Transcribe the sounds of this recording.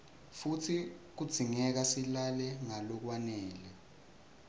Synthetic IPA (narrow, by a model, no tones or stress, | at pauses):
futʰik̬ud̥z̥ʱiŋɛk̬asilalɛŋalɔk̬wanɛːlɛ